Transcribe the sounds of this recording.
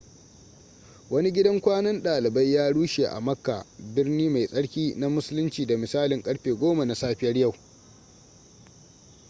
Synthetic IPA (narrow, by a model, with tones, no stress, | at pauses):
wɐ˦ni˦ɡʲɪ˦dɐ˦ŋkʷaː˦nɐ˦nɗaː˨lɪ˨ba˦jːaː˦ɽuː˦ʃe˨ʔa̰˨mɐ˦kːa̰˨bɪ˦rniː˦ma˨jsʼɐ˦ɽkʲiː˦na˦mʊ˦sʊ˦lʊ˦nt͡ʃiː˨da˨mɪ˨saː˦lɪ˨ŋkʼɐ˦ɽɸeː˨ɡʷoː˦ma˨na˨saː˦ɸɪ˦jɐ˦ɽja˦˨w